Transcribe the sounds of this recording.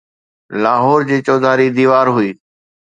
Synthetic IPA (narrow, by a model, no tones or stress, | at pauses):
laːɦɔːɾd͡ʑiːt͡ɕɔːd̪ʱaːɾiːd̪iːʋaːɾɦʊiː